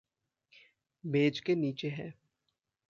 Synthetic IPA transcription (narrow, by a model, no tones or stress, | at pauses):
beːd͡ʒkeniːt͡ʃeɦɛː